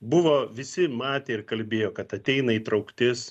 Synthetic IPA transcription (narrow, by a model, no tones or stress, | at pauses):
bʊʋoːʋʲɪsʲɪmɑːt̪ʲeːɪrkɐlʲbʲeːjoːkɐt̪ɐt̪ʲɛɪnɐiːt̪ɾɐʊkt̪ʲɪs